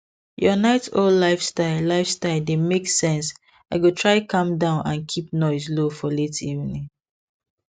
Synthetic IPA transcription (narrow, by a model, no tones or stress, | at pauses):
jɔnaɪtollaɪfstaɪllaɪfstaɪldemeksɛ̃ns | aɪɡotʰɹaɪkʰʌ̃mdãʊ̃nãnkʰip̚nɔɪzlofɔletḭvnĩŋ